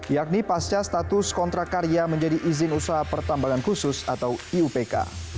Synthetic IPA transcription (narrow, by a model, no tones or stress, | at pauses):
jak̚nipast͡ʃast̪at̪ʊskɔnt̪ɾakaɾiaməɲd͡ʒadiʔizɪnusaɦapərt̪ambaŋankusʊsat̪awiupeka̰